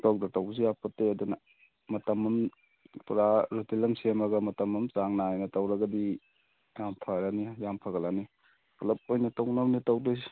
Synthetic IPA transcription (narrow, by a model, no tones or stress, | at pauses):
tawdɐtawzijapɐteɐdunɐ | mɐtɐmːɐm | puɾaɾutilɐmsemɐɡɐmɐtɐmːɐmt͡ʃaŋnajnɐtɐwɾɐɡɐdi | jampʰaɾanijampʰɐɡɐlani | pʰɐlɐp̚ojnɐtɐwnɐmnitawdoj